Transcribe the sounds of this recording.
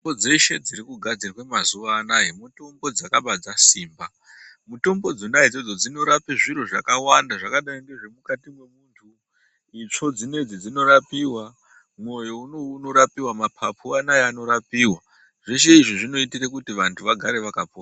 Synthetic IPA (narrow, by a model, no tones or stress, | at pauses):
bod͡ze̞ʃe̞d͡ziɾikuɡʱad͡zirkwemazuʋaːnajemuto̞mbo̞d͡zakaɓad͡zasiːmba | muto̞mbo̞d͡zonajed͡zod͡zo̞d͡zino̞ɾapiʐiɾoʐakawandaʐakaɗajiŋɡe̞ʐe̞mukatimwe̞muntʰu | it͡ʂo̞d͡zine̞d͡zid͡zino̞ɾapiːwa | mo̞jounouno̞ɾapiwamapʰapʰuanajeano̞ɾapiːwa | ʐeʃeiʐiʐino̞itirekutiʋantʰuʋaɡʱaɾe̞ʋakapoa